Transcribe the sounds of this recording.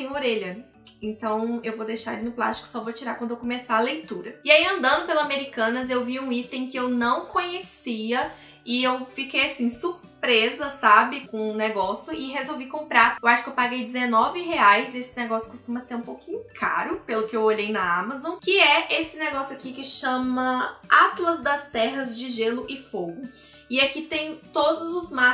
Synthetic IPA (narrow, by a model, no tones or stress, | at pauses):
ẽj̃oɾeʎɐ | ẽnt̪ɐ̃w̃ewvod̪ejʃaɾɐlinʊpla̰st͡ʃi̥kʊ̥sɔvot͡ʃiɾakwɐ̃nd̪ʊewkõmesaɐlejt̪uɾɐɪaiɐ̃nd̪ɐ̃nd̪ʊpelɐzameɾikɐ̃nɐzewviũit̪ẽj̃kɪewnɐ̃w̃kõɲesiɐ | ɪewfikejasĩsuɾ | pɾezɐsabɪkõneɡɔsjʊɪɦezowvikõmpɾaɾewaʃʊkewpaɡejd͡ʒɪzenɔvɪheajzesɪ̥neɡɔsjʊ̥kʊst̪ũmɐseɾũpowkĩɲʊkʰa̰ɾʊpelʊkɪewoʎejnɐamɐzõkɪɛʔesɪneɡɔsjʊakikɪʃɐ̃mɐat̪lɐzd̪ɐst̪ɛɦɐzd͡ʒɪʒelʊʔɪfoɡʊ | ɪakit̪ẽj̃t̪od̪ʊzʊzma